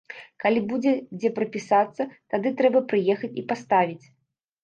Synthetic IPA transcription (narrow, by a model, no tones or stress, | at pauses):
kalʲibud͡zʲɛd͡zʲɛpɾɐpʲisat̪sːɐt̪ad̪ɨt̪ɾɛbɐpɾɨjɛxɐt͡sʲipast̪avʲit͡sʲ